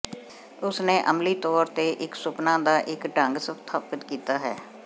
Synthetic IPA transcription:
ʊsnẽːʔəmliːt̪ɔːɾt̪eːʔɪksʊpnãːd̪aːʔɪkɖəŋɡsət̪ʰaːpət̪kiːt̪aːɦɛː

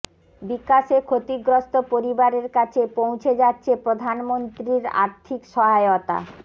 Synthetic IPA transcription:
bikːaʃekʰot̪iɡɾost̪opoɾibaɾeɾkat͡ɕʰepow̃t͡ɕʰed͡ʑatːɕʰepɾod̪ʱanmont̪ɾiɾa̰ɾt̪ʰikʃɔɦaeot̪a̰

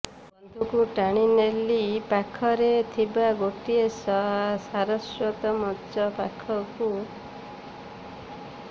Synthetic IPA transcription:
ɔnd̪ʱukuʈaɽ̃inelipakʰɔɾet̪ʰibaɡoʈiesɔɦasaɾɔswɔt̪ɔmɔdt͡ʃɔpakʰɔku

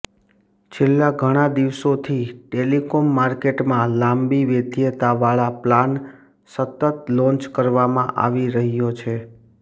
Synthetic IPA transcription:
t͡ʃʰelːaɡʱəɽ̃ad̪iʋsot̪ʰiʈelikɔmːaɾkeʈmãlãmbiʋed̪ijət̪aʋaɭaplan | sət̪ət̪lɔ̃nt͡ʃkəɾʋamãʔa̰ʋiɾəɦjot͡ʃʰe

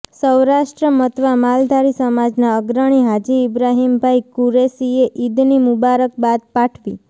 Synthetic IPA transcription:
səwɾaʃʈɾəmət̪ʋamald̪ʱaɾisəmad͡ʒnaəɡɾəɽ̃iɦad͡ʒiɪbɾaɦimbʱaikuɾesieʔid̪nimubaɾək̚bad̪̚paʈʰʋi

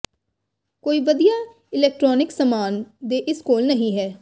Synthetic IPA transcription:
koːiːʋəd̪ijaː | ɪlɛːk̚ʈɾɔːnɪksəmaːnd̪eːʔɪskoːlnəɦĩːɦɛː

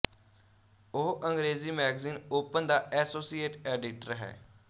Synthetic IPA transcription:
oɦʔəŋɡɾeːziːmɛːɡziːnoːpənd̪aːʔɛːsoːsiːeːʈeːɖɪʈəɾɦɛ̰ː

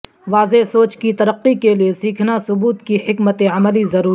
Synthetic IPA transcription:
ʋaːzesoːt͡ʃkit̪ɐɾəqːikeliesiːkʰnasʊbuːt̪kihɪkmət̪eɐməlizɐɾuː

